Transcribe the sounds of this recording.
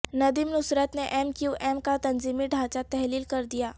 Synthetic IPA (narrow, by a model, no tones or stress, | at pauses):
nɐd̪imnʊsɾət̪neʔɛmkjuːʔɛːmkat̪ɐnziːmiɖʱaːt͡ʃat̪ɛɦliːlkɐɾd̪ijaː